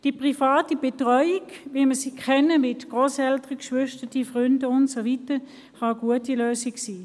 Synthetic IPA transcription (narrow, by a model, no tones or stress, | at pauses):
d̥ipʁifaːtib̥etʁɔʏiɡʋiməsikʰχɛnəmɪtɡ̥ʁoːsɛltəʁəkʃʋʏʃtətifʁʏndəʊntsovitə | χɑəɡuətiløːsiksiː